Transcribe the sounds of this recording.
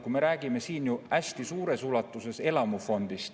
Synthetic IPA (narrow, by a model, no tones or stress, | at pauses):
kume̞ɾæːɡ̥ime̞siːnjuæsʲt̪isuːɾe̞sulɑt̪ːˑuse̞se̞lɑmufo̞nd̪̥ist̪